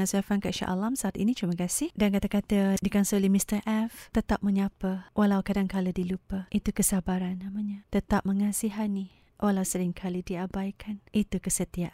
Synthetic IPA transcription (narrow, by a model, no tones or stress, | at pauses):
ansoafankaʃa̰ʔa̰lamsaːt̪ḭnit͡ʃ̪ɾiməkasɪhdankat̪akat̪adikansolimist̪ərʔɛft̪ət̪ap̚məɲapəwʔalawkadaŋkalədilupəʔit̪ukəsabaɾanːamaɲat̪ət̪ap̚məŋasiɦani | wʔalawsəɾɪŋkʰalidiabajkʰanit̪ukəsət̪iaʔ